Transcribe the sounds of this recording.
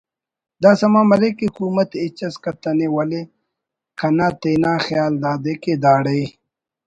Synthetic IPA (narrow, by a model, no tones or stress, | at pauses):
d̪aːsɐmaːmɐlekiukuːmɐt̪et͡ɕɐskɐt̪ɐnewɐle | kɐnaːt̪eːnaːxjjaːld̪aːd̪eked̪aːɽej